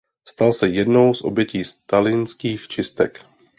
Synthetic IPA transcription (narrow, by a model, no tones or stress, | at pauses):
st̪alsɛjɛdno̞wsʔo̞̰bjɛciːst̪alɪnskiːxt͡ʃɪst̪ɛk